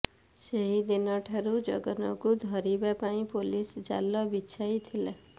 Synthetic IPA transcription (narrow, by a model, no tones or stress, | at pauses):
seɦid̪inɔʈʰaɾud͡ʒɔ̰ɡɔnɔkud̪ʱɔɾibapaĩpolisd͡ʒa̰lːɔbit͡ʃʰajt̪ʰile